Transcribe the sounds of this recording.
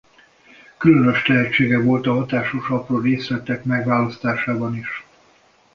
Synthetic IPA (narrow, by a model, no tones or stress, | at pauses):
kylø̞nøʃt̪ɛɦɛt͡ʃːeːɡɛvo̞lt̪ɒɦɒt̪aːʃoʃɒproːreːslɛt̪ɛkmɛɡʋaːlɒst̪aːʃaːbɒniʃ